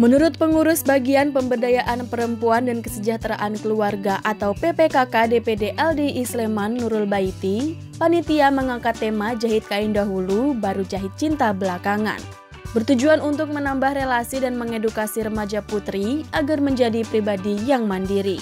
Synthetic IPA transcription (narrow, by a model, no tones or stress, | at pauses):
mənuɾʊt̪̚pəŋuɾʊsbaɡianpəmbədajaʔanpəɾəmpuandankəsəd͡ʒaht̪ɾaʔankəluarɡaʔat̪awpepekakadepedeʔɛldiʔːslemanːuɾʊlbait̪i | panit̪iaməŋakat̪ːemad͡ʒaɦɪt̪̚kaɪndaɦulubaɾud͡ʒaɦɪt̪̚t͡ʃint̪abəlakaŋa̰n | bərt̪ud͡ʒuanunt̪ʊk̚mənambahrelasidanməŋedukasiɾəmad͡ʒaput̪ɾiaɡarməɲd͡ʒadipɾibadijaŋmandiɾi